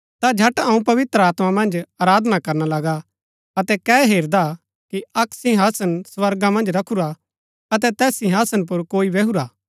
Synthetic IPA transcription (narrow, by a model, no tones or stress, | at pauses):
t̪ad͡ʒʱɐʈɐũpɐʋɪt̪ɾəaːt̪mamɐ̃nd͡ʒaːɾaːd̪nakɐɾnalɐɡa | ɐt̪ɛkɛːɦeːɾd̪a | kiɐksĩɦaːsənsʋɐɾɡamɐ̃nd͡ʒɾɐkʰuɾa | ɐt̪̬ɛt̪ɛːsĩɦaːsənp̬ʊɾkoːiʋeɦuɾaː